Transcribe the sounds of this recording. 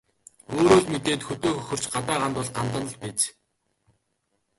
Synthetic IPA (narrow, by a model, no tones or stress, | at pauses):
oːɾoːɮmet̪eːt̪xɵt̪oːxɵxɵ̆r̥t͡ɕɢat̪aːʁant̪ʊ̆ɮɢant̪ə̆nə̆ɮpeːt͡ɕ